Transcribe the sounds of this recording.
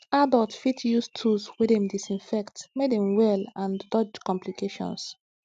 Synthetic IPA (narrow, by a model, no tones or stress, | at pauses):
adɔtfitʰjustʰuswɛdɛ̃mdisĩnfɛktmedɛ̃mwɛlãndɔd͡ʒkɔ̃mplikʰeʃɔ̰̃ns